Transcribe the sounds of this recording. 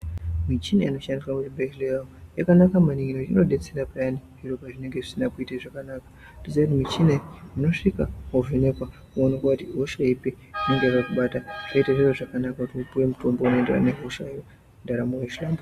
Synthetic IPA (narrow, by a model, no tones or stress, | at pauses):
mit͡ʃina̰ino̞ʃandiswakutibelejaojakanakamaniŋɡinutiino̞ɗe̞t͡seɾapajaniʐirokaʐine̞ŋɡe̞ʐisinakuitaʐakanakḁ | tosakutimit͡ʃinemuno̞ʂikaɦoʐineka | kuonekatiɦoʃaipi | ineŋɡepakuɓataʐaitaʐiroʐakanakakutiupuwemuto̞mbounoendera̰neɦoʃajo | ndaɾamuweʃlambu